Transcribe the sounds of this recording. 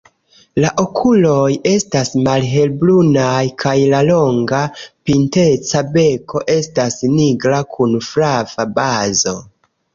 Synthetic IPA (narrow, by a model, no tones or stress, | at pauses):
laʔo̞kʰulo̞je̞stasmalɦe̞lblunajkʰajlalo̞ŋɡapinte̞t͡sabe̞ko̞ʔe̞stasniɡɾakʰunfɾav̥abazo̞